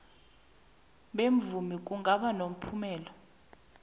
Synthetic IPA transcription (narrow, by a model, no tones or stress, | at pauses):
ɓeɱvumik̬ʼuŋɡʱaɓanom̩pʰumɛːlɔ